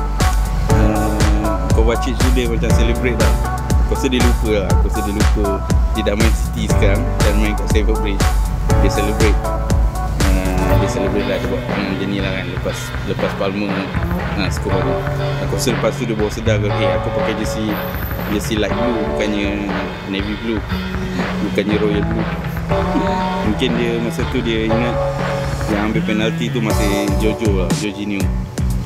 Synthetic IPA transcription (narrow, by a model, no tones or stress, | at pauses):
ə | kobat͡ʃit̪̚sudəhmat͡ʃamsɛlibɾet̪̚lah | kosədilukəla̰kosədilukə | didamajnsi̥t̪isəkaamdanmãjŋkaʔsefabɾit͡ʃdesɛləbɾet̪̚ | ədəsɛləbɾet̪̚lahd͡ʒibaʔŋad͡ʒənĩlaɦanləpas | ləpaspalməmə | əsə̥kopadəakosələpast̪udiəbawasədakakeakupakad͡ʒəsi | d͡ʒəsilajʔ̚blubukanɲə | neviblu | bukanɲəɾojəlblu | əmuŋkɪndiəmasat̪udiəinəʔjiãŋambeʔpenalt̪it̪̬umat̪əjd͡ʒod͡ʒolad͡ʒod͡ʒinio